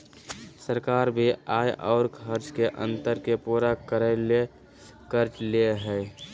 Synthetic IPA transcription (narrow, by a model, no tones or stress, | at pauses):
səɾkaːɾbʱiaːjʔɔːɾkʰəɾt͡ʃkeʔə̰̃nt̪əɾkepuːɾakəɾəle | kəɾt͡ʃleɦɛ